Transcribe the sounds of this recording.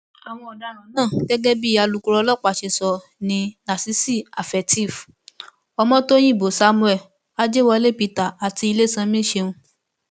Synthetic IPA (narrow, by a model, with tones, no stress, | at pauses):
a˨w̃ɔ̃˧ɔ˨da˧˦ɾ̃ã˨˦nãː˦˨ɡ̥ɛ˦ɡɛ˦bi˦a˧lu˧ku˧ɾɔ˧lɔ˦˨k͡pa˨ʃe˧sɔ˧ | nĩ˧na˨si˨˦si˦˨a˨fɛ˨ti˦˨f | ɔ˧mɔ̃˦to˦j̃ĩ˦˨bo˨sa˨˦mũ˧˦ɛ˦˨ | a˦d͡ʒe˦wɔ˧le˦˨pi˧ta˨a˨ti˧i˧le˦sã˧mĩ˦ʃe˧ũ˧